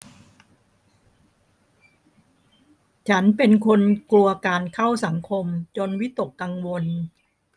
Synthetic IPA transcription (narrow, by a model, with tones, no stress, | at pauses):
t͡ɕʰa˦˥npe˧nkʰo˧nklu˧ɐkaː˧nkʰa˥˩wsa˩˦ŋkʰo˧mt͡ɕo˧nwi˦˥t̪o˨˩kːa˧ŋwo˧n